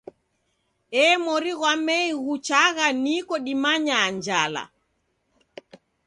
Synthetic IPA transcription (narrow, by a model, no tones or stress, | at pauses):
ɛːmɔɾiɣwamɛiɣut͡ʃaɣanikɔɗimaɲaːɲd͡ʒala̰